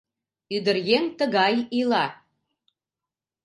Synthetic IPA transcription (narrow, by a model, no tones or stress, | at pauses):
yd̪ərjent̪əɣɑjilɑ